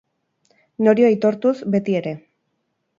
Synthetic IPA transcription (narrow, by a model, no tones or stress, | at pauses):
no̞ɾioajt̪o̞ɾt̪usbe̞t̪ie̞ɾe̞